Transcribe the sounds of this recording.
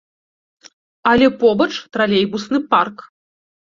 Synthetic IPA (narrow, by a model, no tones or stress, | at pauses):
ɐlʲɛpɔbɐt͡ʂt̪ɾalʲejbusnɨpark